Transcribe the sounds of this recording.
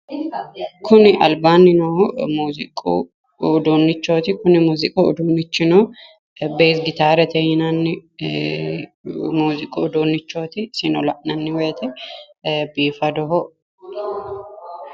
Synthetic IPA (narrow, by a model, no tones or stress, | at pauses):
kʰʊnɪʔɐ̰lbaːnːɪnomuːzɪkʼṵː | d̪onːɪt͡ʃːoːt̪ɪkʊnɪmuːzɪkʼoɔd̪oːnːɪt͡ʃːɪno | beːsɡɪt̪aːɾɛt̪ʰɛjɪnɐnːɪ | muːzɪkʼoɔd̪onːɪt͡ʃːoːt̪ɪsɪnɔlɐ̰ʔnɐnːɪwɔjɛt̪ɛ | biːfɐd̪ɔɦɔ